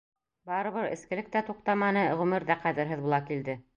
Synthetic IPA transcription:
bɑɾɤ̆βɤɾɘ̰̆skɘ̆lɘ̆k̚t̪æt̪uq̚t̪ɑmɑnɤʁʉmɘɾðæqæðɘ̆ɾɦɘðbulˠɑkild̪ɘ

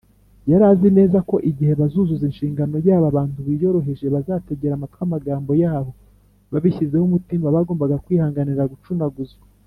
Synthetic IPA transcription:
jaɾaːzine̞ːzako̞ʔiɟihe̞βazuzuzinʃiːŋɡano̞jaːβaβaːntuβijo̞ɾo̞ɦe̞ʒeβazaːte̞ɟe̞ɾamatamaɡaːmbo̞jaːβo̞ | βaβiçize̞humutimaβaɡo̞ːmbaɡakwiːhaːŋɡaniɾaɡut͡ʃunaɡuzi

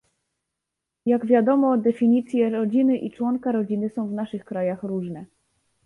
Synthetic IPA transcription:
jaɡvʲjad̪ɔmɔd̪ɛfʲiɲit̪sʲjɛɾɔd͡ʑinɘʔit͡ʂwɔŋkaɾɔd͡ʑinɘsɔ̃w̃vnaʂɘxkɾajaxɾuʐnɛ

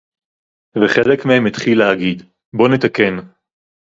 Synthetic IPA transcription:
veχelekmehemit̪χilehaɡid̪ | bo̞net̪ake̞n

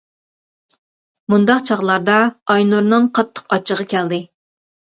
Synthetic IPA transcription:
mund̪ɑqt͡ʃʰɑʁlˠɑɾd̪ɑɑjnuɾnɨŋqʰɑt̪ʰːə̥qɑt͡ʃʰːəʁɑkʲʰæld̪ɪ

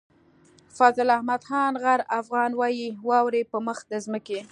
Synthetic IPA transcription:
fɑzɪlahmad̪xɑnɣaɾafɣɑnwɑjiwɑwɾepəməxd̪əzməke

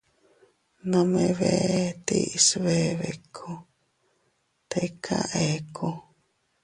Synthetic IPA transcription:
nãmeβet̪ḭsβeβekʰo | t̪ekʰa̰ʔekʰo

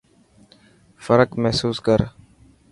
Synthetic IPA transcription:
fəɾəkmɛɦsuːskəɾ

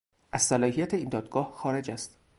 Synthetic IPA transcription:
ʔæzsælɒːhijæt̪ʰeiːnd̪ɒːd̪ɡɒːhxɒːɾe̞d͡ʒæst̪

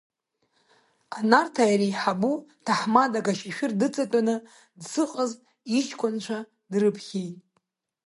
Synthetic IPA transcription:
anartʰajɾijħabutʰaħmadaɡaʃiʃᶣɪrdɨt͡sʼatʼanɨ | dsɨqʼəz | it͡ʃʰkʷʰʊnt͡ʃʷʰa | drɨpʰχʲejtʼ

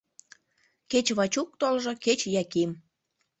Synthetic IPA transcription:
ket͡ɕβɑt͡ɕuk̚t̪olʒɤ̆ket͡ɕjɑkim

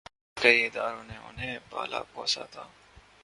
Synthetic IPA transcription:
kɐiɪd̪aːɾõnẽʊ̰nɦẽba̰ːla̰pɔːsa̰t̪ʰaː

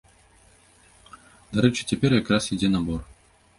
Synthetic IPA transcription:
d̪aɾɛt͡ʂɨ̥t͡sʲɛpʲɛrjakɾasid͡zʲɛnɐbɔr

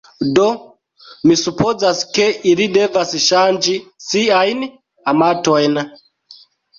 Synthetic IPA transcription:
do | misupozaskeʔiɾidɛvasiʃand͡ʒisiaini | amatoɛna

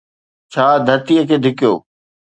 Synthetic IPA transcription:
t͡ɕʰaːd̪ʱɐɾt̪ijəkʰeːɖʱɪkɪjo̰ː

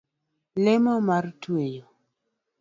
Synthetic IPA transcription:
lɪmɔmartwejo

